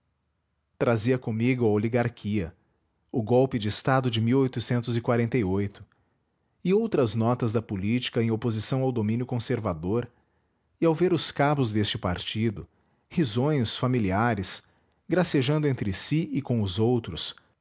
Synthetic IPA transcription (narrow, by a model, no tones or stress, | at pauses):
t̪ɾaziɐkõmiɡʊɐoliɡaɾkʰiɐ | ʊɡɔwpɪd͡ʒɪːst̪ad̪ʊd͡ʒɪmiwojt̪ʊsẽnt̪ʊzɪkwaɾẽnt̪ɐjojt̪ʊ̥ | ɪowt̪ɾɐznɔt̪ɐzd̪ɐpʊlit͡ʃi̥kɐẽj̃opozisɐ̃w̃awd̪omĩnjʊkõseɾvad̪oɾ | ɪawveɾʊskabʊzd̪est͡ʃɪpaɾt͡ʃid̪ʊ | hizõj̃sfamiliaɾɪs | ɡɾaseʒɐ̃nd̪ʊẽnt̪ɾɪsiɪkõw̃ʊzowt̪ɾʊs